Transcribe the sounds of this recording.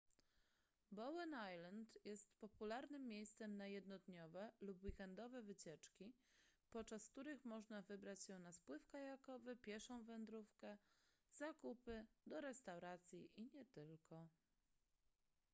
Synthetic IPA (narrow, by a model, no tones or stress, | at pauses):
bɔwɛnajlant̪jɛst̪pɔpulaɾnɘmːʲjejst̪sɛmnajɛd̪nɔd̪ɲɔvɛlupwikɛnd̪ɔvɛvɘt͡ɕɛt͡ʂkʲi | pɔtt͡ʂaskt̪uɾɘxmɔʐnavɘbɾat͡ɕɕɛnaspwɘfkajakɔvɘpʲjɛʂɔ̃w̃vɛnd̪ɾufkɛ | z̥akupɘd̪ɔɾɛst̪awɾat̪sʲjiʔiɲɛt̪ɘlkʰɔ